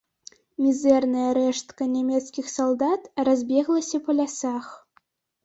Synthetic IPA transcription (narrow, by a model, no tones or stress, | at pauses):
mʲizɛrnɐjɐɾɛʂt̪kɐnʲɛmʲɛt̪skʲixsalˠd̪at̪razʲbʲɛɣlˠɐsʲɐpɐlʲasax